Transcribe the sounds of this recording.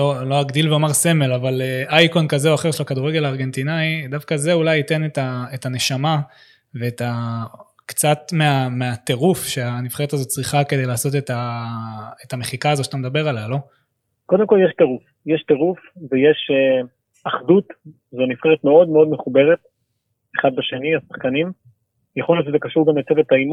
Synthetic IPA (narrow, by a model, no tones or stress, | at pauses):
lo̞lo̞aɡd̪ilveomaʁse̞me̞lavaleʔajkonkazeoaχe̞ʁʃelakaduʁeɡelaːʁɡe̞nt̪inajd̪afkaze̞ulajite̞netaetane̞ʃama | ve̞ːta | kt͡satme̞ame̞at̪e̞ʁufʃe̞anifχeet̪azo̞tt͡sʁiχakede̞jlaːso̞t̪̬eta | etame̞χikaːzo̞ʃat̪amed̪abe̞ʁalalo̞ | ko̞d̪emko̞ljeʃteʁuf | jeʃteʁufvejeʃe | aχd̪ut̪ | zonifχeʁet̪meo̞d̪meo̞d̪me̞χube̞ʁet̚ | eχad̪̚baʃe̞niasḁχkanim | jaχoljoʃezekaʃuʁɡamlat͡sevetaim